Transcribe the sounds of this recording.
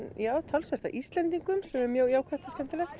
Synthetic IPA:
jaːwt̪ʰalsvɛst̪a̰ʔist̪lɛnt̪iŋkʏmsɛmɛɾmjœɣiaːwkʰvɛht̪askɛnt̪alɛxt̪

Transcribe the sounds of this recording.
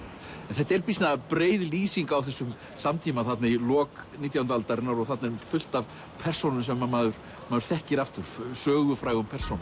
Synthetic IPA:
ɛnθɛht̪ɛɾpisnapɾeːjðliːsiŋkawθɛsːʏm | samt̪ʰimaθat̪nailɔːkniːt̪jawʏnt̪alt̪aɾɪnaɾɔɣθat̪nɛɾmfʏl̥t̪av | pʰɛr̥sownʏnsɛmːanmaːðʏɾ̥ | maːðʏ̥ɾ̥θɛhcɪɾaft̪ʏɾ̥sœːɣʏfɾaːjɣʏmpʰɛr̥sown

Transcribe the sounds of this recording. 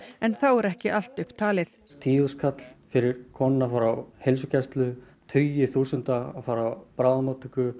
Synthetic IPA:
ɛnθawɛɾɛhcɪʔal̥t̪ʏhpt̪ʰaːlɪθ | t̪ʰiːʏskʰat̪l̥fɪɾɪɾ̥kʰɔnɪnafaːɾawhejlsʏcʰɛst̪lʏ | t̪ʰjɪθuːsʏnt̪aːfaːɾawpɾaːwðamaːt̪ʰʏkʏ

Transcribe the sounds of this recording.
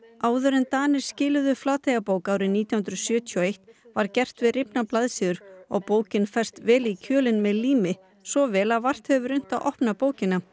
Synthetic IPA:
aːwðʏɾɛnt̪aːnɪɾ̥scɪːlʏðʏflaːt̪ʰeɣapoːwkaːwɾɪniːt̪jahʏnɾʏsjœːt̪ʰjɔejht̪vaɾcɛr̥t̪vɪðrɪpnaplaðsiːðʏɾɔ̰ɣpoːwcɪnfɛr̥t̪vɛːlicʰœːlɪnmɛðliːmɪ | sɔvɛːlaðvar̥t̪hɛvʏɾʏn̥t̪aʔɔhpnapoːwcɪna

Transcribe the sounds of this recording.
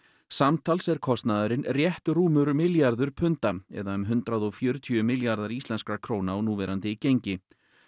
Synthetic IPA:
samt̪ʰalsɛɾ̥kʰɔst̪naðʏɾɪnrjɛht̪ruːmʏɾmɪljaɾðʏɾ̥pʰʏnt̪amɛ̰ðaʏmɦʏnt̪ɾaðɔɣfjœːɾʏt̪ʰjʏmɪljaɾðaɾist̪lɛnskakʰɾoːwnaɔnuːvɛɾʔant̪ɪicejɲcɪ

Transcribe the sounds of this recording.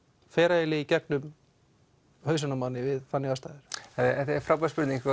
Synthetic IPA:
fɛːɾaɪlɪicɛknʏm | hœːɥsanamawnɪvɪðfanːjɪvast̪aːjðɪɾ̥ɛt̪aɛt̪aɛɾfɾawpaspʏɾt̪nĩŋk

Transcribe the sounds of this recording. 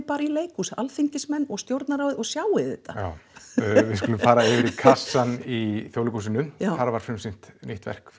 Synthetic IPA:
paːɾaileːjkusa̰lfiɲcɪsmɛnːɔɣst̪jowɾt̪naɾaːwðɪɔɣsjaːwɪθɛht̪ajawvɪskulʏmfaːɾaɪvɪɾikʰasːaniθjowlʏkusɪnːʏnaθaɾvaɾ̥fʏmsɪn̥t̪niht̪vɛ̰r̥k

